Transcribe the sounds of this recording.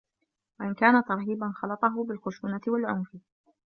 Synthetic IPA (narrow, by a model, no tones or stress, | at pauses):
waʔɪnkaːnat̪ɑɾˤɦiːbanxɑlɑt̪ˤɑɦʊbɪlxʊʃuːnat̪ɪwalʕʊmfɪ